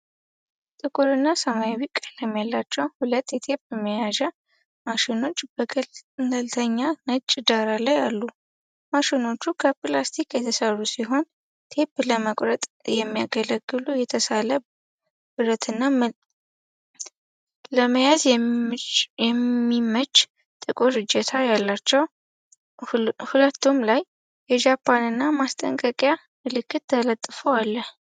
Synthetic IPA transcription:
t̪ʼɨkʼuɾɨnːasəmajawikʼːələmjɛlːat͡ʃːɛwhulət̪ːjɛt̪ʰe̞pjɛməjaʒɛ | maʃino̞t͡ʃːbənd̪əlt̪ʰəɲːanət͡ʃʼːd̪aɾalajalːu | maʃino̞t͡ʃːukʰəplast̪ʰikjɛt̪ʰəsərusiɦo̞n | t̪ʰe̞pləməkʼɾət̪ʼjɛmːijaɡələɡːɨlujɛt̪ʰəsalə | bɨɾət̪ʰɨnːa | ləməjaz | ɛmːimət͡ʃʼː | t̪ʼɨkʼo̞ɾɨd͡ʒɛt̪ʰajalːat͡ʃːɛw | hulət̪ʰːumlaj | jɛd͡ʒapʰːanɨnːamast̪ʼə̰ŋkʼəkʼja | ɨlɨkːɨt̪ʰːələt̪ʼːɨfoalːəh

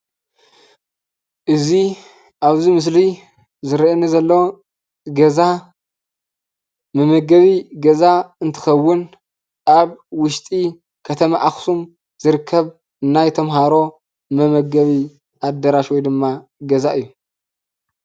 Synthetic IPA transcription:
ʔɨzi | ʔaβzimɨs̬li | zɨɾʔɐnɐzɐlːɐw | ɡɐza | mɐmɐɡɐβiɡɐzaɨnt̪ʰɨ̥xɐwːʊn | ʔaβwʊʃt̪ʼi | kʰɐt̪ʰɐmaʔaxsum | z̥ɨɾɨkʰːɐβ | ɨnajt̪ʰɐmɦaɾo̞ | mɐmɐɡɐβi | ʔad̪ːɐɾaʃwɔjd̪ɨmːaɡɐzaʔɨjːu

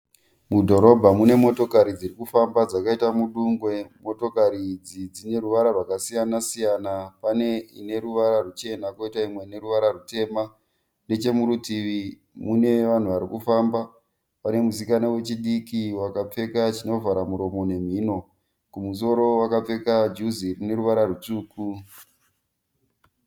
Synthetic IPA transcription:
mudʱo̞ɾo̞bʱamune̞mo̞to̞kaɾid͡zirikufambad͡zakaitamuɗuŋɡwe̞mo̞to̞kaɾid͡zid͡zine̞ɾuʋaɾarwakasijanasijanapane̞ine̞ɾuʋaɾarut͡ʃe̞nakoitaimwe̞ine̞ɾuʋaɾarute̞ːma | ne̞t͡ʃe̞muɾutiʋi | mune̞ʋan̤uʋaɾikufamba | pane̞muzikanowe̞t͡ʃiɗikiwakap͡fe̞kat͡ʃino̞vaɾamuɾo̞mo̞ne̞m̤iːno̞ | kumus̬o̞ɾo̞wakap͡fe̞kad͡ʒuzirine̞ɾuʋaɾaɾut͡suːku

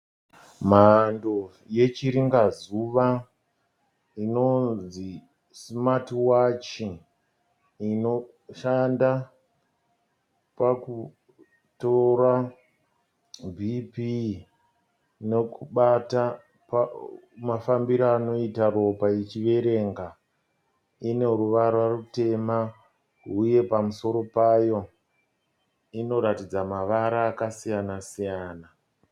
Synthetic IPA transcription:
mando | je̞t͡ʃiɾiŋɡazuʋa | ino̞nzi | smatiwat͡ʃi | ino̞ | ʃanda | paku | tora | bʱipi | ne̞kuɓata | pa | mafambiɾaːno̞itaro̞pait͡ʃiʋe̞ɾe̞ŋɡa | ine̞ɾuʋaɾwarute̞ma | ɦuje̞pamuso̞ɾo̞pajo̞ | ino̞ɾatid͡zamaʋaɾaːkasijanasijaːna

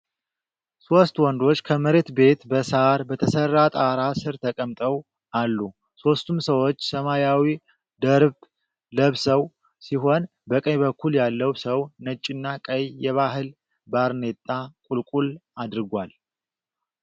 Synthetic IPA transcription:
so̞st̪wɔnd̪o̞t͡ʃːkʰəməɾe̞t̪be̞t̪bəsaɾbət̪ʰəsərːat̪ʼaɾasɨɾt̪ʰəkʼəmt̪ʼəw | alːu | so̞st̪ʰumsəwo̞t͡ʃːsəmajawi | d̪əɾb | ləβsəw | siɦo̞n | bəkʼəjbəkːuljalːəwsəwnət͡ʃʼːɪnːakʼəjjɛβaɦɨl | baɾne̞t̪ʼːakʼulkʼulad̪ɾɨɡʷal

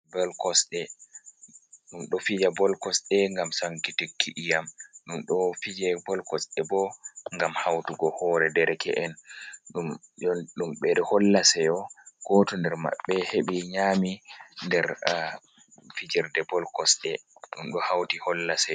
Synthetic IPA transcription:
bɔlkɔsɗɛ | ɗumɗɔfid͡ʒabɔlkɔsɗɛŋɡamsaŋkitikʰːiʔijamɗumɗɔfid͡ʒɛbɔlkɔsɗɛbɔŋɡamhawtuɡɔhɔɾɛdɛɾɛkʰɛ̰ʔɛnɗumɔɗumɓɛdɛhɔlːasɛjɔɡ̥ɔtɔndɛɾma̰ɓːɛheɓiɲamindɛɾ | fid͡ʒɛɾdɛbɔlkɔsɗɛɗumɗɔhawtihɔlːasɛ

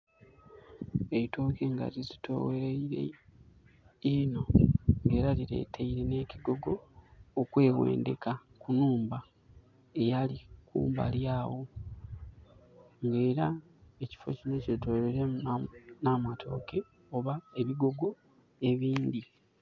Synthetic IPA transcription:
eito̞ːke̞ŋɡa̰ɾizitʰo̞̰weɾeiɾe̞̰ | ino̞ŋɡe̞ːɾaliɾe̞̰ːtʰeiɾe̞ne̞ːciɡo̞ɡo̞ːkwe̞ːwḛːnde̞̰kakunuːmba | e̞jalikṵːmba̰ljaːwo̞ | ŋɡe̞ːɾa | eci̥fo̰cino̞cetoɾeɾe | namatʰo̞̰ke̞ | oβaeβiɡo̞ɡo̞ | e̞βiːndi

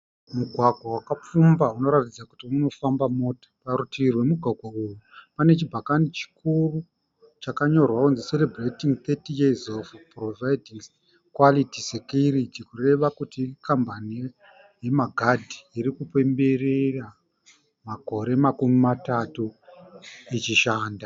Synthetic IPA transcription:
muɡʱwaɡʱwawakap͡fumbauno̞ɾatid͡zakutiuno̞fambamo̞tḁpaɾutiirwe̞muɡʱwaɡʱwaujupane̞t͡ʃibʱakanit͡ʃi̥kuru | t͡ʃakaɲo̞rwaunzise̞lebretiŋt̪etijezovprovajdʱiŋs | kwalitisekjuritikure̞ʋakutikambanie | je̞maɡʱadʱiːɾikupe̞mbe̞rera | mako̞ɾe̞makumimatatu | it͡ʃiʃaːnda

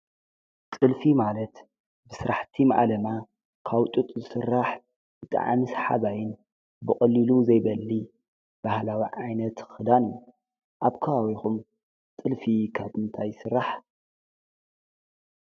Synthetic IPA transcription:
t̪ʼɨlfimalɐt̪ | bɨsɨɾaħt̪ʰimaʔalɐma | kʰawt̪ʼut̪ʼzɨsɨrːaħ | bɨt̪ʼa̰ʕa̰mɨsħa̰βajɪn | bɨχʼɨlːiluzɐjbɐlːi | b̥ahlawiʕajnɐt̪ɨxɨd̪anju | ʔaβkʰɐβawixum | t̪ʼɨlfikʰaβɨnt̪ʰajsɨrːaħ

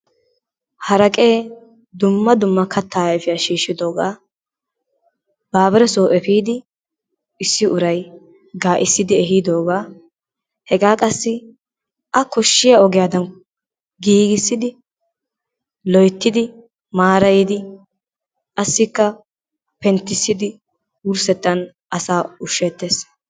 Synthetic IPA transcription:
hɐɾɐkʼeː | d̪ʊmːɐd̪ʊmːɐkʰɐt̪ːaːjfɪjɐʃiːʃːɪd̪o̞ːɡaː | b̥aːbɛɾɛsoːʔɛfiːd̪ɪ | ɪsːɪʔʊɾɐj | ɡaːʔɪsːɪd̪ɪɛɦɪd̪o̞ːɡaː | hɛɡaːkʼɐsːɪ | ʔɐkɔʃːɪjaɔɡɪjaːd̪ɐn | ɡiːɡɪsːɪd̪ɪ | lɔjt̪ːɪd̪ɪ | maːɾɐjɪd̪ɪ | ʔɐsːɪkːɐ | pɛnt̪ːɪsːɪd̪ɪ | wʊɾsɛt̪ːɐn | ʔɐsaːʊʃːɛːt̪ːeːs

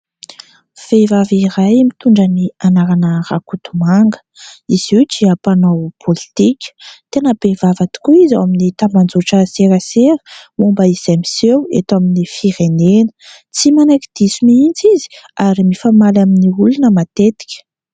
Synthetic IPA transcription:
v̥evaviɾajmit̪uɳɖ͡ʐənianaɾanərakut̪umaŋɡə̥ | iz̥iwd͡ʒiapanowpʰolit̪ikʲə̥t̪enəbevavat̪i̥kuizawaminit̪amband͡zoʈ͡ʂəseɾaseɾə̥mombaiz̥amisewḛt̪aminifiɾenenə̥ | t͡simanakid̪̥isumiint͡sizi̥aɾimifamalaminiulunəmat̪et̪i̥kʲə̥

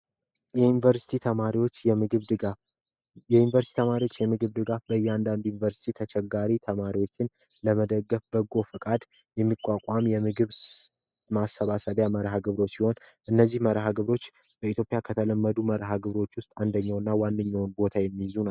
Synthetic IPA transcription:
jɛjunvəɾsi̥t̪ʰit̪ʰəmaɾiwot͡ʃːjɛmɨɡɨβd̪ɨa | ɛjunivəɾst̪i̥t̪ʰəmaɾiwo̞t͡ʃːjɛmɨɡɨβd̪ɨɡafbəjɛand̪and̪junivəɾsi̥t̪ʰit̪ʰət͡ʃʰɛɡaɾit̪ʰəmaɾiwo̞t͡ʃːɪn | ləməd̪əɡːəfbəɡo̞fɨkʼad̪ | jɛmːikʼwakʷʼamjɛmɨɡɨβ | masːəβasad̪jaməɾɦaɡɨβɾo̞siho̞nʔɨnːəzːihməɾɦaɡɨβɾo̞t͡ʃːb̥əit̪ʰjo̞pʼjakʰət̪ʰələmːəd̪uməɾɦaɡɨβɾo̞t͡ʃːwʊst̪ʼand̪əɲːawnːawanːɨɲːawnbo̞t̪ʰajɛmːijɪzuna

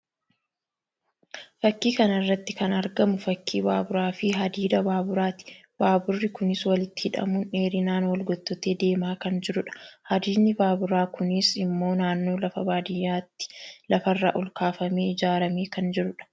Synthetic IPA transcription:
fɐkːiːkɐnɐrːɐt̪ːɪkɐnɐɾɡɐmʊfɐkʰːiːbaːbʊɾaːfɪɦɐd̪iːd̪ɐbaːbʊɾaːt̪ɪ̥ | b̥aːbʊrːɪkʊnɪswɐlɪt̪ːɪ̥hɪᶑɐ̰mʊne̞ːɾɪnaːnwɐlɡɔt̪ːɔt̪e̞ːd̪e̞ːmaːkɐnd͡ʒɪɾʊᶑɐ̥hɐd̪iːnːɪbaːbʊɾaːkʊnɪsɪmːo̞ːnaːnːo̞ːlɐfɐbaːd̪ɪjːaːt̪ːɪ̥lɐfɐrːa̰ːʔʊlkaːfɐmeːɪd͡ʒaːɾɐmeːkɐnd͡ʒɪɾʊᶑɐ̥

